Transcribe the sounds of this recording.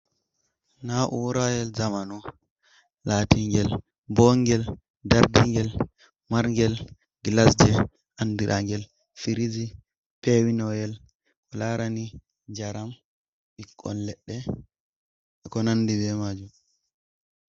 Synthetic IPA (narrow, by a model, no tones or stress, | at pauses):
naʔuwɾajɛlzamanu | laːtiŋɡɛl | bɔŋɡɛl | daɾdiŋɡɛl | maɾŋɡɛl | ɡlasd͡ʒɛ | ʔandiɾʔa̰ŋɡɛl | fiɾizi | pɛwinɔjɛl | ʔɔlaɾani | d͡ʒaɾam | ɓikːɔ̰nlɛɗːɛ | kɔnanːdibɛmad͡ʒum